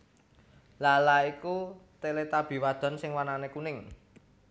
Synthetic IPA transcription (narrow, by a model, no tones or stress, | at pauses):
lalaikut̪elet̪ab̥i̤wad̪̥ɔ̤nsɪŋwananekunɪŋ